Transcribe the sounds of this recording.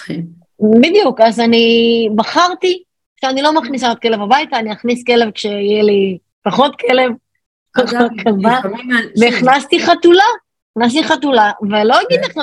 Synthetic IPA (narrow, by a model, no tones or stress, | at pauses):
bid̪jukazanibaχaʁt̪i | ʃeanilo̞maχnis̬aot̪̚ke̞le̞vabajt̪aːniaχniske̞le̞vkʃe̞ijeli | paχo̞t̪kʰe̞le̞v | aχakʰavaveiχnast̪iχat̪ula | iχnas̬tiχatulavelo̞jaɡid̪eχ